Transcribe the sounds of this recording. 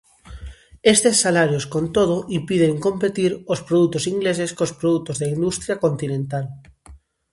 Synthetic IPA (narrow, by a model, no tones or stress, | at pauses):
est̪esːalaɾjoskont̪oð̞oʔimpiðeŋkõmpet̪iɾospɾoðut̪osiŋɡles̬eskospɾoðut̪ozðaind̪ust̪ɾjakont̪inẽnt̪al